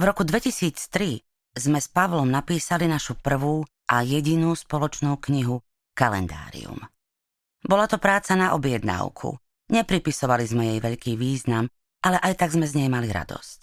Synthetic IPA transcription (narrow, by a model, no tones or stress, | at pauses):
vɾɔkud̪ʋɛcisiːt͡st̪ɾi | zmɛspaʋlɔmnapiːsalinaʃupr̩ʋuː | ʔajɛɟinuːspɔlɔt͡ʃnuːkɲiɦu | kalɛ̰nd̪a̰ːɾḭṵm | bɔlat̪ɔpɾaːt͡sanaʔɔbjɛd̪na̰ʊkʰṵ | ɲɛpɾipisɔʋalizmɛjɛjʋɛʎkiːʋiːznam | alɛʔajt̪aɡzmɛzɲɛjmaliɾa̰d̪ɔ̰sc